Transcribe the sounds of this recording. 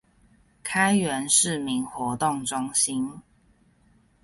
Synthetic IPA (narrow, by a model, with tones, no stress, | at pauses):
kʰa˥ɪɥɛ˧˦nʂɻ̩˥˨mi˨˥ŋxwɔ˧˥˦t̪ʊ˥˨ŋʈ͡ʂʊ˦˥ŋɕi˦n